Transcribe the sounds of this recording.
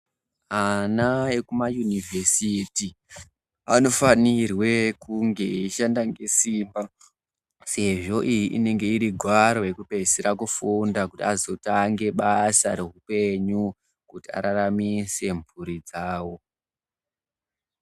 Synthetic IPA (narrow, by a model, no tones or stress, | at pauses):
anaekumajunivʱesiti | ano̞fanirwe̞kuŋɡe̞iʃandaŋɡe̞siːmba | se̞ʐo̞ʔijiʔine̞ŋɡe̞iɾiɡʱwaɾo̞je̞kupe̞seɾakufundakutiazo̞taŋɡe̞ɓasa̰ɾe̞ɦupe̞ɲu | kutia̰ɾaɾamise̞mbuɾid͡zaːwo̞